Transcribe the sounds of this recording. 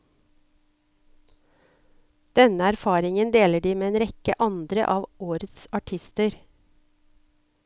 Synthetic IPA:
d̪̥ɛnəæɾfɑːɾɪŋənd̪eːləɖiːmeːeːnɾɛkə̰ʔɑnd̪ɾə̰ʔɑːʋoːɾət̪sɑʈʰɪst̪əɾ

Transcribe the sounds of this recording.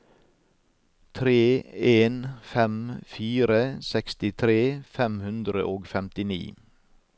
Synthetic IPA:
t̪ʰɾeːeːnfɛmfiːɾəsɛkst̪ɪt̪ʰɾeːfɛmhʉnd̪ɾə̰ʔoːɡfɛmt̪ɪnḭː

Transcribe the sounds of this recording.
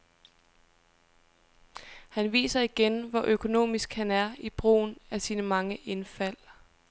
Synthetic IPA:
hænʋḭːsɐiɡ̥enʋɒʔøkʰo̝no̝̰ːmisɡ̥hænæɐib̥ʁo̝̰ːnæɐsiːnəmɑ̈ŋəʔe̝nfæl̰

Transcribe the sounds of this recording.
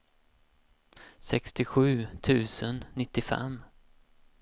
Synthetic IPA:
sɛkst̪ɪɧʉ̟ːt̪ʰʉ̟ːsənːɪt̪ːɪfɛ̰mː

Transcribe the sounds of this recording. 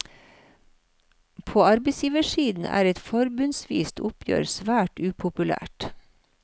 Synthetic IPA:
pʰoːɑɾbeɪsjiːʋəʃiːd̪n̩ʔæ̰ːɾɛt̪fɔɾbʉnsʋḭːst̪ʰʊpʰjø̰ːɾsʋæːʈʉːpʰʊpʉlæ̰ːʈ

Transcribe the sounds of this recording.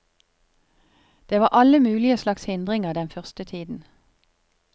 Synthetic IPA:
d̪̥eːʋɑːʔɑləmʉːlɪəslɑkshɪnd̪ʁɪŋəʁd̪ɛnfœʁst̪ət̪ʰiːd̪n̩

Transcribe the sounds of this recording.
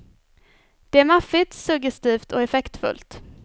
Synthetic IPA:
d̪̥ɛæːɾmafɪt̪sɵɡjɛst̪iːft̪ʰɔɛfɛkt̪fɵ̰lt̪

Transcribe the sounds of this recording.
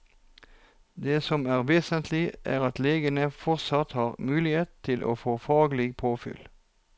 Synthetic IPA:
d̪eːsɔmæːʁʋeːsənt̪ʰlɪʔæ̰ːʁɑt̪leːɡənəfɔʁt̪sɑt̪hɑːʁmʉːlɪheːt̪t̪ʰɪlʔo̰ːfoːfɑːɡlɪɡpʰoːfʏ̰l

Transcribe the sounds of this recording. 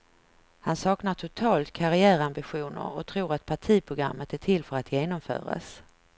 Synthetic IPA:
hansɑːknaʈʰʊt̪ʰɑːlt̪kʰaɾɪæːɾambɪɧuːnə̰ɾɔt̪ʰɾuːɾat̪̚pʰaʈʰiːpʰɾʊɡɾa̰mːət̪æʈʰɪlfœɾat̪jeːnɔmfœ̰ːɾa̰s

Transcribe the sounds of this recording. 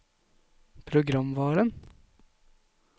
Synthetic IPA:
pʰɾʊɡɾɑmʋɑːɾən

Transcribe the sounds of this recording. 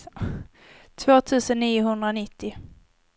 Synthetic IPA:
t̪ʰvoːt̪ʰʉ̟ːsənːiːʊɦɵnd̪ɾaɔnɪt̪ːɪ

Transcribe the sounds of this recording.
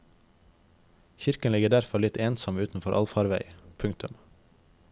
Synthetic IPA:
çɪɾkənlɪɡəɖæɾfɔlɪt̪eːnsɔmʉːt̪n̩fɔɾʔɑ̰lfɑːɾʋæɪpʰʉŋk̚t̪ʉm

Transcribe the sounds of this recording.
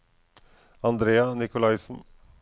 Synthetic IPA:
ɑnd̪ɾeːɑnɪkʊlɑɪsn̩

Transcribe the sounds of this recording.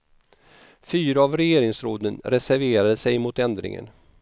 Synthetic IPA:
fyːɾaavɾɛjeːɾɪŋsɾoːd̪ənɾɛsæɾveːɾad̪əsɛjmʊt̪ɛnd̪ɾɪ̰ŋə̰n

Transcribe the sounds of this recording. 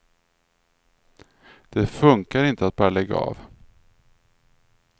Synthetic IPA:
d̪̥ɛfɵŋkaɾɪnt̪əat̪̚bɑːɾalɛɡːa̰ɑ̰ːv

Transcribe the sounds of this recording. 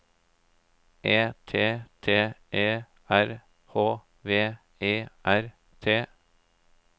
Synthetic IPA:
ʔeːt̪ʰeːt̪ʰeːʔeː | ʔæɾ | hoː | ʋeː | eːʔæɾ | t̪ʰeː

